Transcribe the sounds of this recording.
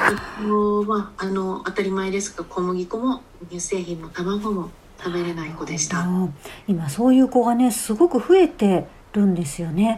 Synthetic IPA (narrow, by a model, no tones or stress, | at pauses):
imomaːno̞at̪aɾʲimaed̪e̞sɨ̥kakʰomoɡʲikomo | ɲɯse̞ːçĩmːo̞t̪amaɡomo | t̪ʰabe̞ɾenaikod̪est̪aimaso̞ːjɯ̟ːko̞ɡane̞sɨɡo̞kɯ̟ɸɯ̟e̞t̪e̞ | ɾɯ̟̃nd̪e̞sɨjo̞ne̞